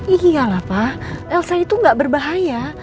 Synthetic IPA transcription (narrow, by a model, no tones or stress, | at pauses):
ialahpaʔɛlsait̪uŋɡaʔbərbaɦaja